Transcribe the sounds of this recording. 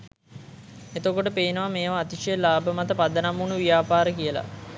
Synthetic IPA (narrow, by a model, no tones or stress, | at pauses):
et̪okoʈəpeinəʋameːʋaːt̪iʂejəlaːbəmat̪əpad̪ənamunuʋijaːpaːɾəkijəla̰